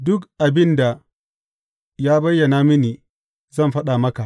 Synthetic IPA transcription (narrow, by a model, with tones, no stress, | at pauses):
dʊ˦kʔa˨bɪ˦nda˨ | jaː˦bɐ˦jːɐ˨na˦mɪ˦niː˨ | zɐ˦mɸɐ˦ɗa˨mɐ˦ka˨ʔ